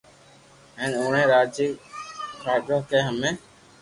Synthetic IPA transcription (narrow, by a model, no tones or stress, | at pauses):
ɦɛ̃ːnoːɳẽːɾaːd͡ʒiːkaːɗoːkeːɦəmẽː